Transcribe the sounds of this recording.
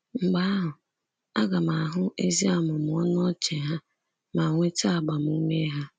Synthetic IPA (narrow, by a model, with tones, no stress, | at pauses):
ŋ͡m̩˨ɡ͡ba˦a˦ɦʊ˨ | a̰˦ɡa˨ma˨a˨ɦʊ˦e˦zi˦a˨mʊ˨m̩˨ɔ˦n˦ɔ˦t͡ʃe˨ɦa˦ | ma˨ŋʷe˦ta˦a˨ɡ͡ba˨m̩˨u˦me˦ɦa˦